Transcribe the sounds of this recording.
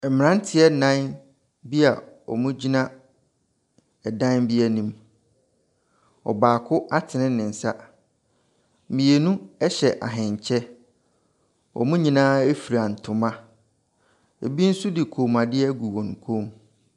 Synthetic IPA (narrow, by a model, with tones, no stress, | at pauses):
ɛ˨mɪ̃˨nã˦n˦tʰɪ˦ɛ˦nã˦n | bi˦a˨ | ɔ̰˨mũ˦d͡ʑi˦nã˦ | ɛ˨dã˦nbi˦ɛ˨nĩ˨m | ɔ̰˨baː˨kʰʊ˦a˦tʰɪ˨nɪ̃˦nɪ̃˨n̩˨sa˦ | mĩ˨e˨nũ˦ɛ˦ɕɛ˨ʔa̰˨ɦɪ̃˨ɲ˨t͡ɕʰɛ˦ | ɔ̰˨mũ˦ɲĩ˨nãː˦e˦fi˨ɾa˨n̩˨tʰʊ˨mã˦ | ḛ˨bi˦n̩˦sʊ˦dɪ˨kʰoː˨mã˨dɪ˦ɛ˦ɡu˨wɔ̃˨n˨kʰõ˦m